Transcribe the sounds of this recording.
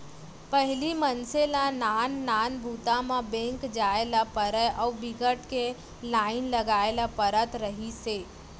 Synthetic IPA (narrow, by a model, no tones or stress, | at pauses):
pəɦɪlimənselanaːnːaːnbʱuːt̪amãbẽŋkd͡ʒaːelapəɾəjʔɔwbɪɡəʈke | laːɪnləɡaːelapəɾət̪ɾəɦiseː